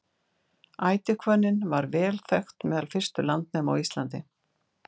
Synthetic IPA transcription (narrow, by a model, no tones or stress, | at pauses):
aːjt̪ɪkʰvœnːɪnvaɾvɛːlθɛxt̪mɛːðalfɪr̥st̪ʏlant̪̚nɛːma̰wist̪lant̪ɪ